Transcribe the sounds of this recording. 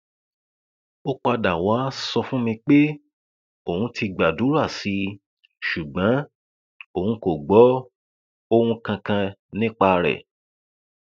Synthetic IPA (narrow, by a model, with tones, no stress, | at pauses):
o˦k͡pa˧da˨wa˨˦sɔ˧fũ˦mĩ˧k͡pe˦ | o˨hũ˧tʰi˧ɡ͡ba˨du˨˦ɾa˦˨si˨˧˦ | ʃu˨ɡ͡bã˨˦ | o˨hũ˧ko˨ɡ͡bɔ˨˦ | o˧hũ˧kã˧kã˧nĩ˦k͡pa˧ɾɛ̰˨